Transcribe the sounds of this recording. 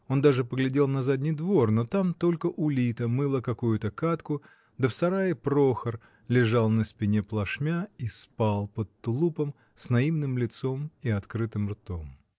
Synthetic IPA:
o̞nd̪aʐɨpəɡlʲɪdʲe̞lˠnɐzadʲnʲɪjd̪vo̞rno̞t̪amt̪o̞lʲkəʔʊlʲit̪əmɨlˠəkɐkujʊt̪əkat̪kʊ | d̪əfsɐɾajəpɾo̞xər | lʲɪʐalˠnəspʲɪnʲe̞plˠɐʂmʲaispalˠpət̪t̪ːʊlˠupəm | snɐimnɨmlʲɪt̪so̞miɐt̪kɾɨt̪ɨmrt̪o̰m

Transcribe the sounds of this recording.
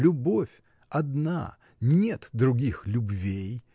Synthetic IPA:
lʲʊbofʲ | ɐd̪na̰ | nʲet̪d̪ɾʊɡʲixlʲʊbvʲej

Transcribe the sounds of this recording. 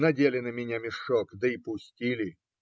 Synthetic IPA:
nɐdʲelʲɪnəmʲɪnʲamʲɪʂɔkd̪əipʊsʲtʲilʲɪ

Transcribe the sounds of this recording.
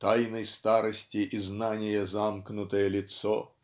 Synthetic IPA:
t̪ajnɐjst̪aɾɐsʲtʲiʔiznanʲɪjɛzamknʊt̪əjɛlʲɪt̪sɔ

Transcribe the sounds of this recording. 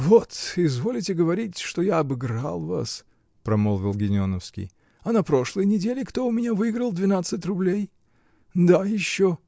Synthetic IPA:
vot̪ɪzvolʲɪtʲɪɡəvɐɾʲitʲʂt̪o̞jaɐbɨɡɾa̰lˠva̰s | pɾɐmolˠvʲɪlˠɡʲɪnʲɪonəfskʲɪ̰j | ɐnɐpɾo̞ʂlˠəjnʲɪdʲelʲɪkt̪o̞ʊmʲɪnʲavɨɪɡɾəlˠd̪vʲɪnat̪sɨt̬ʲrʊblʲej | d̪ajɪɕːo

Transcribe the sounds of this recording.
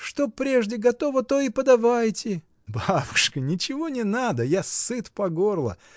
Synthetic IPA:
ʂt̪o̞pɾʲe̞ʐdʲɪɡɐt̪o̞vət̪o̞ipəd̪ɐvajtʲɪ | babʊʂkənʲɪt͡ɕɪvo̞nʲɪnad̪əjasːɨt̪pɐɡo̞rlˠə̰

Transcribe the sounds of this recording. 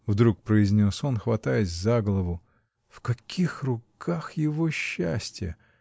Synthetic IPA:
vd̪ɾuk̚pɾəɪzʲnʲoso̞nxvɐt̪ajɪtʲzaɡlˠəvʊ | fkɐkʲʰixrʊkʰaxjɪvoɕːæ̰sʲtʲɪjə̰

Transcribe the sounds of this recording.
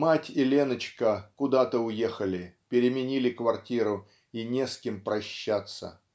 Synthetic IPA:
matʲɪlʲe̞nət͡ɕkəkʊd̪at̪əʊje̞xəlʲɪpʲɪɾʲɪmʲɪnʲilʲɪkvɐrtʲiɾʊ | inʲeskʲɪmpɾɐɕːat̪sə̰

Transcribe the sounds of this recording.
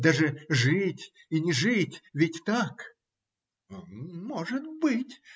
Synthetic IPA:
d̪aʐɨʐɨtʲ | inʲɪʐɨtʲvʲɪtʲt̪ak | moʐɨt̪bɨtʲ

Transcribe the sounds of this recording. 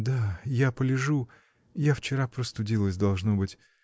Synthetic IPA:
d̪ajapəlʲɪʐu | jaft͡ɕɪɾapɾost̪ʊdʲilˠəsʲd̪ɐlˠʐnobɨtʲ

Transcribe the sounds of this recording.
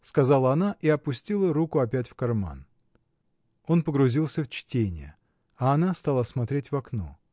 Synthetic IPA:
skɐzalˠəɐnaʔiɐpʊsʲtʲilˠəɾukʊɐp̬ʲætʲfkɐrma̰n | o̞npəɡɾʊzʲilˠsʲəft͡ɕtʲenʲɪ̰jə̰ | ɐːnast̪alˠəsmɐt̪ɾʲetʲvɐkno̰

